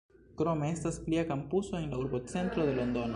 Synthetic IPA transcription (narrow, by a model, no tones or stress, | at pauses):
kɾo̞me̞e̞staspliakampusoe̞nlauɾbo̞t͡se̞ntɾo̞d̪e̞lo̞nd̪o̞n